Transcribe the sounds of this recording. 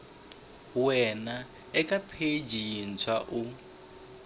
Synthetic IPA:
wɛna | ɛkapʰed͡ʒin̩t͡sʰwaʔu

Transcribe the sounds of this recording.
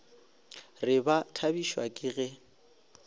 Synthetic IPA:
rɪbatʰabiʃwakʼɪɣɛ

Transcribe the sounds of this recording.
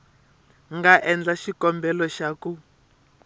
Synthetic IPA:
ŋɡaʔɛnd͡ɮaʃikɔmbɛlɔʃaku

